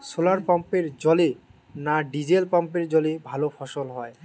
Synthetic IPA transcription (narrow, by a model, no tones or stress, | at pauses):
solaɾpampeɾd͡ʑɔle | naɖid͡ʑelpampeɾd͡ʑɔlebʱalofʰɔʃolɦɔe